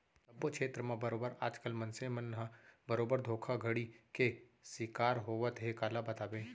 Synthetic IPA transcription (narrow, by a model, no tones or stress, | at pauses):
t̪ɐbːokt͡ʃʰeːt̪ɾəmãbɐɾoːbəɾaːd͡ʒkəlmɐ̃nsemənɦəbɐɾoːbəɾd̪ʱoːkʰaɡʱəɽike | sɪkaːɾɦoːʋət̪ɦekaːlabɐt̪aːbẽː